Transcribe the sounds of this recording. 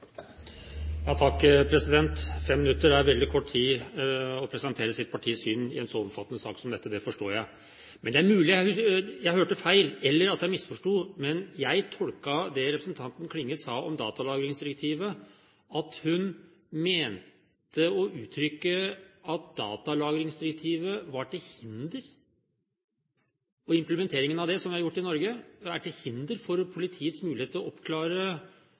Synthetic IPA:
jɑːt̪ʰɑkːpʰɾɛsɪd̪ɛnt̪fɛmːɪnʉt̪ːəɾæɾʋɛld̪ɪkʰɔʈːt̪ʰiː | ɔpʰɾɛsɛnt̪ʰeːɾəsɪt̪̚pʰɑʈʰiːsyːnɪ̰ɛnsɔɔmfɑt̪ːənəsɑ̰ːksɔmd̪ɛt̪ːəd̪ɛfɔʂʈoːjæɪ | mɛnd̪ɛæɾmʉːlɪjæjæɪhøːʈəfæɪlɛlːəɾɑt̪jæɪmɪsfɔʂʈuːmɛnjæɪt̪ʰɔlkɑd̪ɛɾɛpɾəsn̩t̪ʰɑnt̪nkʰlɪŋːəsɑːʔɔmd̪ɑːt̪ɑlɑːɡɾɪŋsd̪ɪɾək̚t̪ʰiːʋə | ɑt̪hʉn | meːntt̪əɔʔʉːt̪ʰɾʏkːəɑt̪̚d̪ɑ̰ːt̪ɑlɑːɡɾɪŋsd̪ɪɾɛk̚t̪ʰiːʋəʋɑʈɪhɪnd̪əɾ | ɔɪmpləmɛnt̪ʰeːɾɪŋənɑʋd̪ɛsɔmʋɪhɑɾjʊʈːɪnɔɾɡəæʈɪhɪnd̪əɾfɔɾpʰʊlɪt̪ʰiːət̪smʉːlɪeːt̪lɔɔpkʰlɑːɾə

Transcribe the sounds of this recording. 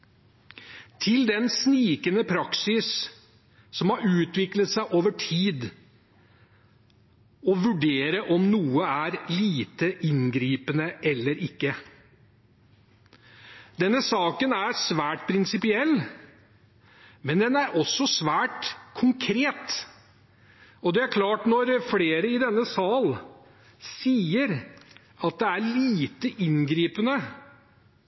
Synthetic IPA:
t̪ʰɪld̪ɛnsniːkənəpʰɾɑksɪs | sɔmhɑɾʉːt̪ʋɪklət̪sæɪʔoːʋəʈʰiːd̪ | ɔʋʉɖeːɾəʔɔmnuːəæɾliːt̪əʔɪnɡɾiːpənəʔɛlːəɾʔɪkːə | d̪ɛnːəsɑːkənæɾsʋæːʈpʰɾɪnsɪpɪɛlː | mɛnd̪ɛnæɾʔɔsːɔsʋæːʈkʰʊŋkʰɾeːt̪ | ɔd̪ɛæɾkʰlɑːʈnɔɾfleːɾəɪd̪ɛnːəsɑːl | siːəɾ | ɑt̪̚d̪ɛæliːt̪əʔɪnɡɾiːpənə

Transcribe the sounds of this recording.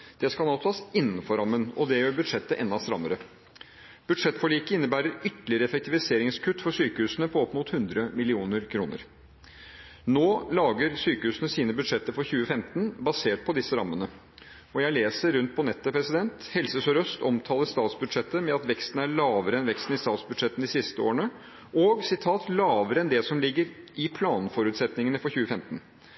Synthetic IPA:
d̪̥ɛskɑlnoːt̪ʰɑːsɪnːənfɔɾɑmːənɔd̪ɛjøːɾbʉd̪ʂɛt̪ːəʔɛnɑst̪ɾɑ̰mːəɾə | b̥ʉd̪ʂɛt̪ːfɔɭiːkəɪnːəbæːɾəɾʏt̪əlɪəɾəɛfɛk̚t̪ʰɪʋɪseːɾɪŋskʰʉt̪ːfɔʂyːkəʉːsənəpʰɔɔpːmut̪hʉnd̪ɾəmɪlɪuːnəɾkʰɾuːnə̰ɾ | noːlɑːɡəɾsyːkəhʉːsənəsiːnəbʉd̪ʂɛt̪ːəfɔɾçʉːəfɛmt̪n̩bɑseːʈ̚pʰɔd̪ɪsːəɾɑ̰mːənə | ɔjæɪleːsəɾːʉnt̪̚pʰɔnɛt̪ːəpʰɾɛsɪd̪ɛnt̪hɛlsəsɔɾœst̪ʰɔmt̪ʰɑːləɾst̪ɑːt̪sbʉd̪ʂɛt̪ːəmɛɑt̪ʋɛkst̪n̩æɭɑːʋəɾəɛnʋɛkst̪n̩ɪst̪ɑːt̪sbʉd̪ʂɛt̪ːn̩d̪ɪsɪst̪əo̰ːɳə | ɔɡsɪt̪ʰɑːt̪lɑːʋəɾəɛnd̪ɛsɔmlɪɡːəɾɪpʰlɑːnfɔɾʉːt̪sɛt̪nɪŋənəfɔɾçʉːəfɛmt̪n̩

